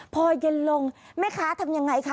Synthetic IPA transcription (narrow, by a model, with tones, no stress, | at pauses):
pʰɔː˧je˧nlo˧ŋmɛː˥˩kʰaː˨˦˥t̪ʰa˧mja˧ŋːa˧jkʰa˦˥